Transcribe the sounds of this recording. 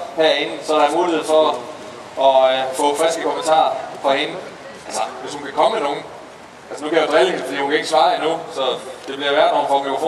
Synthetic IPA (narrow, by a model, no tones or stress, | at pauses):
hæɐ̰e̝nn̩sɒɾ̥ɑ̈æmuːlihe̝ð̞̰ˠfɒ̽ | ɒ̽fɔ̰̽fʁælsɡ̥əkʰo̽mənt͡sʰɑ̰̈ːɐfɒhe̝nə | ʔælsɐʋe̝shunkʰækʰɒ̽mmeno̝ːn̩ | ælsənukʰæjad̥ʁiled̥e̝jokʰæe̝ɡ̥sʋɑ̈ːinusɒ̽d̥e̝b̥liɐʋæɐd̥noːn̩fɒ̽mefo